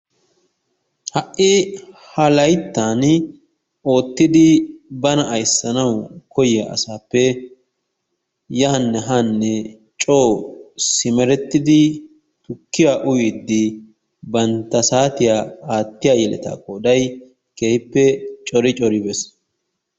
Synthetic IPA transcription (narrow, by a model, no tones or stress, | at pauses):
hɐʔːɪhɐlɐjt̪ːaːn | o̞ːt̪ːɪd̪ɪbɐnɐʔɐjsːɐnɐwkɔjɛʔɐ̰saːpːɛ | jaːnːɛɦanːɛ | t͡ʃʼo̞ːsɪmɛɾɛt̪ːɪd̪ɪ | t̪ʊkːɪjaʔʊjɪd̪ːɪ | bɐnt̪ːɐsaːt̪ɪjaːaːt̪ːɪjaːjɛlɛ̰t̪a̰ːkʼoːd̪ɐj | keːhɪpːɛt͡ʃʼɔɾɪt͡ʃʼɔɾɪbɛs